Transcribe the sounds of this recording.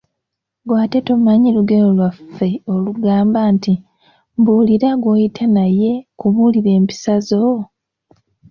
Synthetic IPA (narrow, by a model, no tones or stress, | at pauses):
ɡwaːte̞tomaɲiluɡenolwafːe̞o̞luɡaːmbaːnti | mbuːliɾaɡwoːjitʰanaje̞kuβuliɾe̞ːmpi̥sazo̞